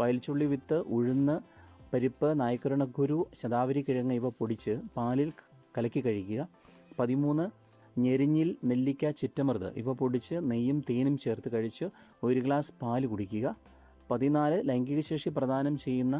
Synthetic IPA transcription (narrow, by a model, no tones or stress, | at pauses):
ʋɐjɐlt͡ɕːuɭːiʋit̪ːɨʔuɻunːɨ | pɐɾipːɨnaːjɐkːɐɾɐɳɐɡʱuɾuɕɐd̪aːʋɐɾikːiɻɐŋːɐiʋɐpoɽit͡ɕːɨpaːlil | kɐlɐkʲːikɐɻikʲːuɣɐ | pɐðimuːnːɨ | ɲeɾiɲːilnelːikʲːɐt͡ɕitːɐmrɨðɨ̰ʔḭʋɐpoɽit͡ɕːɨnejːumt̪eːnumt͡ɕe̞ːrt̪ɨkɐɻit͡ɕːɨ | o̞ɾukɭaːspaːlɨkuɽikʲːuɣɐ | pɐðinaːlɨlɐŋɡiɣɐɕe̞ːkʂiprɐd̪ʱaːnɐmt͡ɕe̞jːunːɐ